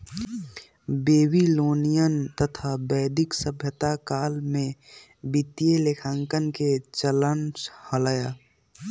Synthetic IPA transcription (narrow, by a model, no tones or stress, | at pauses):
beːbiloːnijənt̪ət̪ʰabəɪd̪ɪksəbʱjət̪akaːlmẽ | bit̪ijelekʰãːŋkənket͡ʃələnshələjaː